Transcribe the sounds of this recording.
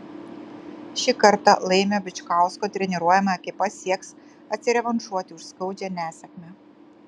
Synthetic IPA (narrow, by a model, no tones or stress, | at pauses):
ʃʲɪkɐɾt̪ɑ̰lˠɐɪmʲobʲɪt͡ʃkɑˑʊskoːt̪ʲɾʲɛnʲɪɾuɔjɛmɐɐkʲɪpɐsʲiɛks | ɐt̪ʲsʲɪɾʲɛʋɐnʃuɔt̪ʲɪʊʃskɔʊd͡ʒʲɛnʲæːsʲɛkmʲɛ